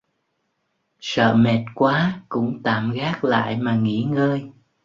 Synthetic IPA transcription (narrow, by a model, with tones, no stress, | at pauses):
sə̰ː˧˨mɛ˨˩t̚kwaː˨˦kʊ̰˧˥ŋ͡mt̪a̰ː˧˨mɣaː˦˥k̚la̰ː˧˨jmaː˨˩ŋḭ˧˥ŋəː˧j